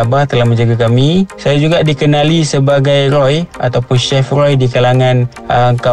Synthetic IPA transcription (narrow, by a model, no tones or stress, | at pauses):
abaht̪əlahmə̃ɲd͡ʒaɡakamisajad͡ʒuɡaʔdikənalisəbaɡajɾɔja̰t̪awpʊnʃɛfrɔjdikalaŋãn | əŋka